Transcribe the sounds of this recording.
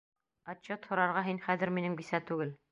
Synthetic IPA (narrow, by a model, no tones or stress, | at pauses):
ɑt͡ɕːot̪hŏɾɑɾʁɑɦinχæðɘ̆ɾminɘ̆mɡisæt̪ʉɡɘl